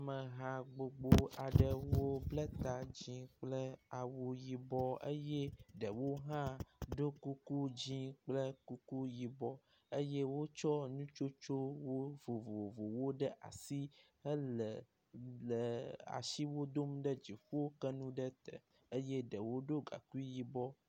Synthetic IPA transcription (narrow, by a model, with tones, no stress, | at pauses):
a˨mə˨ɦã˨ɡ͡bo˨ɡ͡bo˦a˨ɖə˦wo˦blə˦t̪a˨d͡ʑĩ˦k͡plə˦a˨wo˨ji˨bɔ˦ə̰˦je˦ɖə˨wo˦ɦã˦ɖo˦ku˦ku˦d͡ʑĩ˦k͡plə˦ku˦ku˦ji˨bɔ˦ | ə˦je˦wo˦t͡ʃɔ˦nũ˦t͡ʃo˦t͡ʃo˦wo˦vo˨vo˨vo˨wo˦ɖə˦ʔa̰˨si˦ | ə˦lə˨ | lə˨a̰˨ʃi˦wo˦d̪o˦mɖə˦d͡ʑi˨ɸu˦wo˦kə˦nũ˦ɖə˦t̪ə̰˨ | ə˦je˦ɖə˨wo˦ɖo˦ɡa̰˨ku˦i˦ji˦bɔ˦